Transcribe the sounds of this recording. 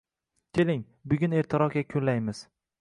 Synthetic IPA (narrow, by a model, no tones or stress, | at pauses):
kʲʰe̞lɪŋ | bʊɡʲʊneɾt̪ʰɪɾɒqʲakʲʰɵlajmɪz̥